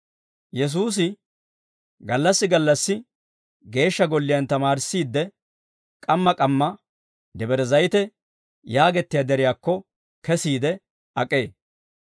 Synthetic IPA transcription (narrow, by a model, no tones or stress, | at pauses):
jɛs̬uːs̬ɪ | ɡɐlːɐsːɪɡɐlːɐsːɪ | ɡe̞ːʃːɐɡɔlːɪjɐnt̪ɐmaːɾsːiːd̪ːɛ | kʼɐmːɐkʼɐmːɐ | d̪ɛbɛɾɛzɐjt̪ɛ | jaːɡɛt̪ːɪjad̪ɛɾɪjaːkːɔ | kɛsiːd̪ɛ | ɐkʼːeː